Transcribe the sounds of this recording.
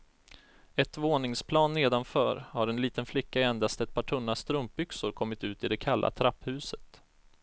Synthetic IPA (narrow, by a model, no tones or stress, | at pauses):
ɛt̪voːnɪŋspʰlɑːnːeːd̪anfœːɾhaɾɛnliːt̪ənflɪkːaɛnd̪ast̪ɛt̪̚pʰɑːʈʰɵnːast̪ɾɵmp̚bʏksʊɾkʰɔmːɪt̪ʉ̟ːt̪ɪd̪ɛkʰalːʔa̰t̪ʰɾapːhʉ̟ːsə̥t̪